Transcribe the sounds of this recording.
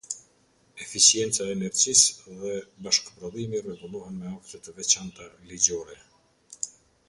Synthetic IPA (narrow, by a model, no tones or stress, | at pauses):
ɛfisjɛnt͡saːnɛɾd͡ʑisðɛbaʃkpɾɔðimirɛɡulˠuɦɛnmɛaft̪ət̪əvɛt͡ɕant̪alid͡ʑɔɾɛ